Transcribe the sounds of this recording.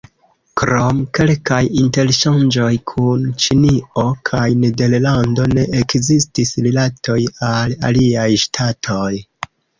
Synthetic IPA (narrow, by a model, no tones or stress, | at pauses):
kɾo̞mke̞lkajinte̞lʃand͡ʒo̞jkʰunt͡ʃinio̞kʰajnede̞ɾlando̞ne̞ʔekzistisɾilatʰo̞jala̰liajʃtʰatʰo̞j